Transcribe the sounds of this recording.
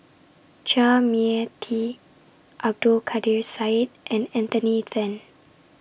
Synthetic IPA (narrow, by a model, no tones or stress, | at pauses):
t͡ʃamiətʰi | ʔab̚dulkʰadiɹsajt̚ʔɛ̃nɛ̃nt̪əniθɛ̃n